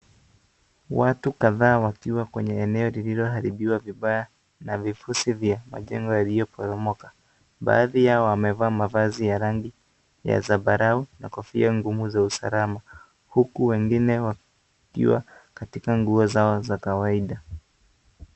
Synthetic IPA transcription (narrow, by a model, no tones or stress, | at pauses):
watukaðaːwakiwakwɛɲɛɛnɛɔlililɔɦaɾiɓiwaviɓaja | navifusivjama̰ʄɛŋɡɔjalijɔpɔɾɔmɔkḁ | ɓa̰ːðijaɔamɛvaːmavazijaɾaŋɡi | ja̰zaɓaɾauna̰kɔfiaŋɡumuzausa̰lama | hukuwɛŋɡinɛwa | kḭwa̰katikaŋɡuɔzaɔzakawaiɗa